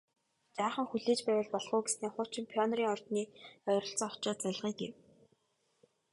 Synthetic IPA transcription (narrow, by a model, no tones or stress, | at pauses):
t͡ɕaːχə̆ŋxuɮeːt͡ɕpæːwə̆ɮpɔɮʁʊːɡesneːχʊːt͡ɕɪ̆mpʰjɔnriːŋɔrt̪niːœɾɞ̆ɬt͡sɔ̆ŋɔ̥t͡ɕɔːt͡sœɮʁiːkḛw